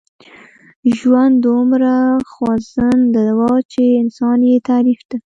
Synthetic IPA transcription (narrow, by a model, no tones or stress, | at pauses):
ʒwand̪ːʊmɾaxwɑzand̪əd̪awɑt͡ʃeɪnsɑnjet̪aɾifd̪a